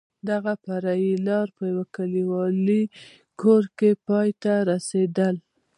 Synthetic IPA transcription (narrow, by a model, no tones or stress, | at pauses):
d̪aɣapaɾailɑɾpəjawakaliwɑli | kʰoɾkepɑjt̪aɾased̪əl